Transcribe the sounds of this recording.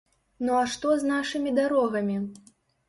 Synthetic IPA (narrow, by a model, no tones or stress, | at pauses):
nuaʂt̪ɔznaʂɨmʲid̪aɾɔɣɐmʲi